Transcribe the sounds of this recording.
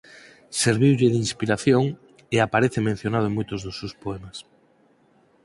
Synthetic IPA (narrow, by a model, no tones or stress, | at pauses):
seɾβiwʎɪðinspiɾaθjoŋ | eapaɾeθemẽn̟θjonaðoeŋmujt̪ozðosewspoemas